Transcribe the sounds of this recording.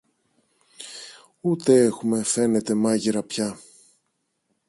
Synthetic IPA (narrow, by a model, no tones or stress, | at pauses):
ut̪e̞e̞xume̞fe̞ne̞t̪e̞mɐʝiɾɐpçɐ